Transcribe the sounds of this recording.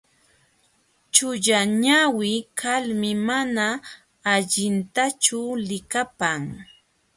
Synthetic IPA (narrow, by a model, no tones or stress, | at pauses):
t͡ʃʊʎaɲawɪkʰalmɪmanaː | ʎɪnt̪at͡ʃʊlɪkapaŋ